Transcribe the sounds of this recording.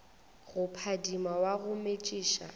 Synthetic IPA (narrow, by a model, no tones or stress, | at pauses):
ɣʊpʰadimawaɣʊmet͡ʃʼiːʃa̰